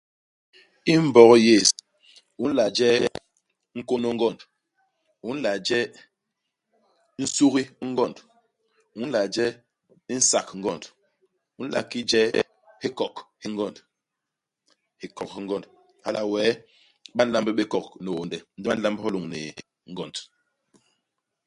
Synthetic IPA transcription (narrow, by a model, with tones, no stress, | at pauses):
i˦m̩˦bɔ˨ɣɔ˦je˦˨s | u˦n̩˦la˨d͡ʒɛ˦ | ŋ̩˦ko˦nɔ˦ŋ˦ɡɔ˦˨nd | u˨˦n̩˦la˨d͡ʒɛ˦ | n̩˦su˦ɣi˦ŋ̩˦ɡɔ˦˨nd | u˨˦n̩˦la˨d͡ʒɛ˦ | n̩˦sa˨kŋ̩˦ɡɔ˦˨nd | u˦n̩˦la̰˨ki˦d͡ʒɛ˦ | hi˦kɔ˨khi˦ŋɡɔ˦˨nd | hi˦kɔ˨k̚hi˦ŋ˦ɡɔ˦˨nd | ha̰˦la˨wɛ˨˦ | ɓa˦n̩˦la˦mbe˦ɓe˦kɔ˨kne˨wo˨ndɛ˨n̩˦di˦ɓa˦n̩˦la˦mbhɔ˦lu˨ŋnḛ˨ | ŋ̩˦ɡɔ˦˨nd